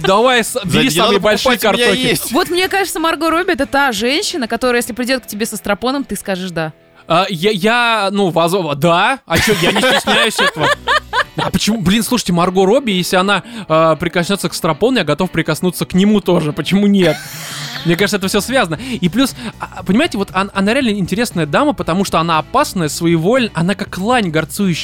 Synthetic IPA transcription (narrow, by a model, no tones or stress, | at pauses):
d̪ɐvajsd̪ʲisamɨjbɐlʲʂɨjɪkɐrt̪okɪesʲtvo̞t̪mnʲe̞kaʐɨt̪səmɐrɡoɾo̞bʲɪɛt̪ət̪aʐɛnʲɕːɪnəkɐt̪oɾəjesʲlʲɪpɾʲɪdʲot̪k̚tʲɪbʲesəst̪ɾɐpo̞nəmt̪ɨskaʐɨʂd̪a | ajajanuvɐzd̪aɐt͡ɕojaɪnʲɪtʲɪsʲnʲæjʉsʲɛt̪əvə | ɐpət͡ɕɪmublʲinslˠuʂɨ̥tʲɪmɐrɡo̞ɾo̞bʲɪjesʲlʲɪɐnaəpɾʲɪkɐsʲnʲo̞t̪səkst̪ɾɐpo̞nʊjaɡɐt̪o̞fpɾʲɪkɐsnut̪sːəknʲɪmut̪oʐɨpət͡ɕɪmunʲet̪̚mnʲekaʐɨt̪ɛt̪əfsʲosvʲazənəiplʲuspənʲɪmajɪtʲɪvo̞t̪ɐnɐnaɾʲɪalʲnəɪnʲtʲɪɾʲe̞snəjəd̪aməpət̪ɐmuʂt̪o̞ɐn̪aːpasnəjəsvəivo̞lʲnəʔɐnakakːlˠanʲɡɐrt̪sujʉɕː